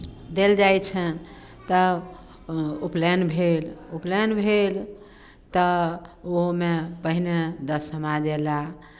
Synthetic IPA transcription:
d̪eld͡ʒajt͡ʃʰən | t̪ə | uplenbʱeluplenbʱel | t̪əoɦmepəɦined̪əsəmad͡ʒela

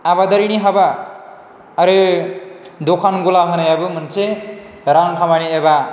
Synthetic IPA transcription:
abad̪ʌɾiɽ̃iɦʌba | ʌɾe | d̪okʰanɡulaɦʌnʌjabumʌnt͡sʰe | ɾaŋkʰamaɽ̃ieba

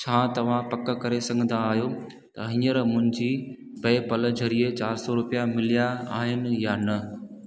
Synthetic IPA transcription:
t͡ɕʰaːt̪ɐʋ̤ãpɐkə̆kɐɾesɐ̃ɡʱə̃nd̪ʱaːɦijo | t̪ɐɦĩːəɾmʊ̃ɦɪ̃ɲd͡ʑiː | bɐːpɐlə̆d͡ʑʱɐɾiet͡ɕaːɾsɔɾʊpijamɪlijaaːɦɪnɪ̆jaːnɐ

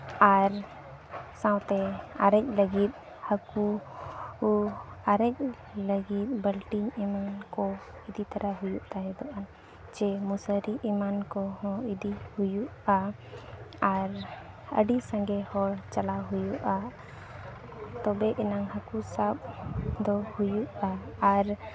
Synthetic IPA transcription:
aɾ | sãwt̪ɛa̰ɾəc̚ləɡit̪̚ | həku | aɾəc̚ | ləɡit̪̚bəlʈimimankɔ | id̪it̪aɾaɦujuʔt̪aɦɛd̪ɔʔan | d͡ʒɛmusəɾiʔimankɔhɔ̃id̪ihujuʔa | aɾ | ə̰ɖisãŋɡɛhɔɽt͡ʃalaɦujuʔa | t̪ɔbɛʔɛnaŋhakusap̚d̪ɔhujuʔaːɾ

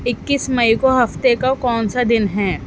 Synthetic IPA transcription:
ɪkːɪsmɐikoɦɐft̪ekakɔːnsad̪ɪnɦɛː

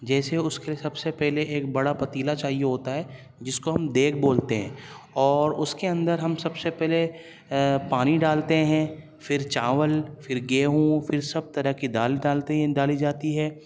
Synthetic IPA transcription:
d͡ʒɛːseʊskeliesɐbsepɛɦleʔeːk̚bɐɽapɐt̪iːlat͡ʃaːɦijeɦoːt̪aɦɛː | d͡ʒɪskoɦɐmd̪eːk̚ʰboːlt̪eɦɛ̃ː | ɔːɾʊskeɐ̃nd̪əɾɦɐmsɐbsepɛɦle | paːniɖaːlt̪eɦɛ̃ | fɪɾt͡ʃaːʋəlfɪɾɡeːɦũfɪɾsɐb̚t̪ɐɾəɦkiɖaːlɖaːlt̪eɖaːlid͡ʒaːt̪iɦɛː

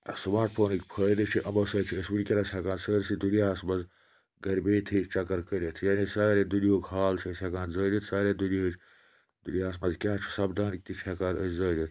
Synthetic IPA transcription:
sumaːʈ̚pʰoːnikpʰəːd̪it͡ʃʰiʔɐmɐsɐːt͡ʃʰiəsbulʲkʲelɐsʲɐkãːnsəːɾsid̪ulijaːsmɐz | ɡɐɾbeːt̪ʰiːt͡ʃɐkɐɾkəɾʲet̪ʰjaːnisaːɾed̪ulioːkhaːlt͡ʃʰisʲɐkãːnzəːd̪ʲit̪saːɾed̪ulʲit͡ʃ | d̪̥ulijaːsmɐzkʲaːt͡ʃʰu̥sɐbd̪aːnk̚t̪it͡ʃʰɐkaːɾəszəːd̪it̪ʰ

